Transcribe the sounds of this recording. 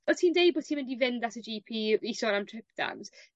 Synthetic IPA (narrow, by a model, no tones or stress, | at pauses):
ɔtʰiːndejbɔ̥ːtʰiːnmɪndivɪndasəd͡ʒipʰiːisɔɾamtʰr̥ɪpd̥a̰mz̥